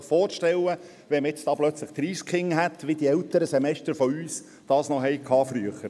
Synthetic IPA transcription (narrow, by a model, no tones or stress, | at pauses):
χfɔːrʃtɛlə | ʋɛmɪt͡sd̥ɑːb̥lœt͡sləχt̪riːskχɪŋɦæt̪ʋid̥̪iɛlt̪əɾəsɛmɛʃtəɾfɔyːs | d̥ɑːsnɔɦɛjkʰɑːfɾyəχəɾ